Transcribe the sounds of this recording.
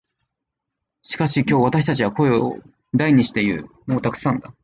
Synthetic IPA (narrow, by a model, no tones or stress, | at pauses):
ɕi̥kaɕikʲo̞ːβ̞at̪aɕi̥t̪at͡ɕiβako̞e̞oo̰ | d̪aiɲ̟iɕi̥t̪e̞iɯ̟̰ːmo̞ːt̪akɯ̟̥sãnd̪a